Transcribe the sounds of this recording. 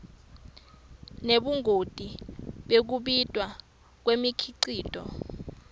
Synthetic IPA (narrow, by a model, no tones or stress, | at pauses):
neɓuŋʱod̥ʼiɓek̬uɓitʼwa | k̬wemikʰiǀiːtʼɔ̰